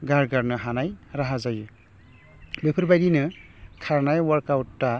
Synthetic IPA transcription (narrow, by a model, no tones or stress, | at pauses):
ɡaɾɡaɾnɯɦanajɾaɦazaju | bepʰɯɾbajdinɯ | kʰaɾnajwaɾkawtːa